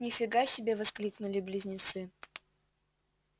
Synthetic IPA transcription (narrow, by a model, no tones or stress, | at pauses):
nʲɪfʲɪɡasʲɪbʲevɐsklʲiknʊlʲɪblʲɪzʲnʲɪt̪sɨ